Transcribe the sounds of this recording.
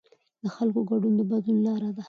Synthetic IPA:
d̪əxalkoɡaɖund̪əbad̪lunlɑɾad̪a

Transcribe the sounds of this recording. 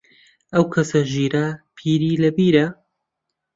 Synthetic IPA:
ʔɐwkʰɐsɐʒiːɾapʰiːɾiːlɐbiːɾɐ

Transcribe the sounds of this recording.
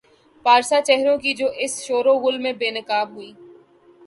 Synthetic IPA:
paːɾsat͡ʃɛɦɾõkid͡ʒoːʔɪsʃoːɾoɣʊlmẽbeːnəkaːbɦʊiː

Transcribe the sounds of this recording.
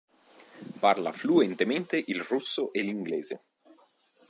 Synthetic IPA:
parla̰fluɛnt̪ement̪eʔilrusːoʔeliŋɡleːze

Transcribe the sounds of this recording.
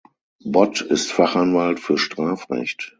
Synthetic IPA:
bɔtɪstfaχanvaltfyːɐʃtʁ̥aːfʁɛ̰çt

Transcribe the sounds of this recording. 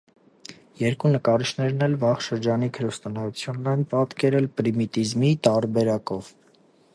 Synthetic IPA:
jɛɾkunəkɑɾiʃʰnɛɾnɛlvɑχʃəɾd͡ʒɑnikʰəɾust̪ɔnɑjut͡sʰjunːɛnpɑt̪kɛɾɛlpɾimit̪izmit̪ɑɾbɛɾɑkɔv̥

